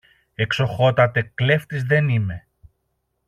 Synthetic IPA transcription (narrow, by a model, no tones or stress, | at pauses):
e̞kso̞xo̞t̪ɐt̪e̞kle̞ft̪izðe̞nime̞